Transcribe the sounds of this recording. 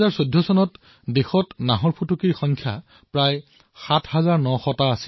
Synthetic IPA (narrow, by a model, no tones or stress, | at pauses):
zaɹsodʱːɔsɔnɔt | dexɔtnaɦɔɹpʰutukiɹxɔŋkʰja̰ | pɹaj | xatʰhazaɹnɔxɔtaːsi̥